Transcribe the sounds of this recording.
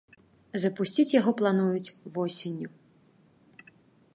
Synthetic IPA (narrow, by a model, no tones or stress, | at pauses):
zɐpusʲt͡sʲit͡sʲjaɣɔplˠan̪ujut͡sʲvɔsʲenʲːu